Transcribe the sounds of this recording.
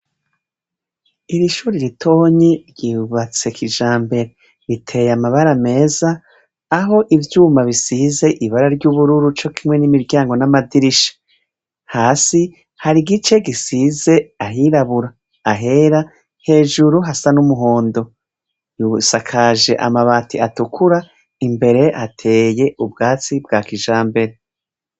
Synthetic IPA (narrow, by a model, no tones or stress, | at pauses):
iɾiʃuːɾiɾitʰo̞ːɲiɾɟiuβat͡se̞kʰid͡ʒaːmbe̞ɾe | ɾitʰe̞jamaβaɾame̞ːzaː | ɦo̞ʔivjuːmaβisiːze̞ʔiβaɾaɾɟuβuɾuɾut͡ʃo̞kʰimŋwe̞nimiɾɟaːŋɡo̞namadiɾiʃḁ | haːsi | haɾiɡit͡ʃe̞ɡisiːze̞aɦiɾaβuɾaː | ɦe̞ɾa | he̞ːʒuɾuɦasanumuɦo̞ːndo̞ | jusakʰaːʒe̞ʔa̰maβaːtiatukʰuɾa | imbe̞ɾe̞ʔhatʰe̞ːje̞ubɡaːt͡sibɡaːkiʒaːmbe̞ɾe